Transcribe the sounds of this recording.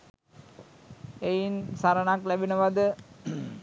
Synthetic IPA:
ejinsaɾənaklæbinəʋad̪ə

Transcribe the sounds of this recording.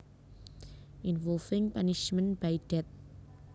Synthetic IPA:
ʔinvɔlfɪ̃ŋpaniʃmə̃nb̥ajd̥ɛt̪̚

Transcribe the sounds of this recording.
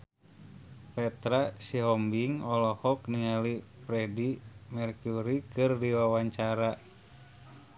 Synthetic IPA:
pɛt̪ɾasiɦɔmbiŋɔlɔhɔkniŋalipɾɛdimɛrkuɾikɨrdiwawaɲt͡ʃaɾa

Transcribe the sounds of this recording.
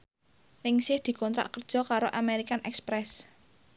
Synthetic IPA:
nɪŋsɪhd̪̥i̤kɔnt̪ɾa̰ʔkərd̥ʒ̥ɔ̤kaɾoʔameɾikanʔɛ̰kspɾɛs

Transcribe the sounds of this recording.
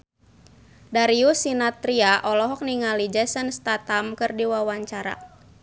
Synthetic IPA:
daɾiusinat̪ɾiaʔɔlɔɦɔk̚niŋalid͡ʒɛsənst̪at̪amkɨrdiwawaɲt͡ʃaɾa̰

